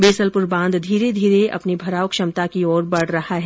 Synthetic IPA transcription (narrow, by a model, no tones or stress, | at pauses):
beːsəlpʊɾbãːnd̪d̪ʱiːɾed̪ʱiːɾeɐ̰pnibʱɐɾaːʊkʃɐmt̪akiɔːɾbɐɽ̤ɾɐhaɦɛː